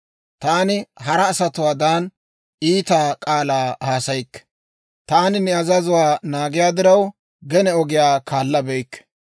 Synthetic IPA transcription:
t̪aːnɪɦɐɾɐːsɐt̪ʊwaːd̪aːn | iːt̪aːkʼaːlaːhaːsɐjɪkːɛ̥ | t̪aːnɪnɛɐzɐzʊwaːnaːɡɪjaːd̪ɪɾɐw | ɡɛnɛɔɡɪjaːkʰaːlːɐbɛjkːɛ̥

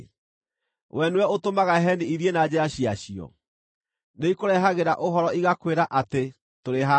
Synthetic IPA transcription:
wɛnwɛotomaɣaɦɛniiðjenad͡ʑeɾaɕiaɕiɔ̰ | neikoɾɛɦaɣeɾaʔoɦɔɾɔiɣakweɾaʔate | toɾeɦa

